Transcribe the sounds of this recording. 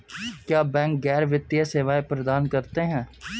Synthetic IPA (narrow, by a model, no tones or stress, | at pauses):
kjaːbɛ̃ːŋk̚ɡɛːɾʋɪt̪ːijaseːʋaːepɾəd̪aːnkəɾt̪eɦɛ̃ː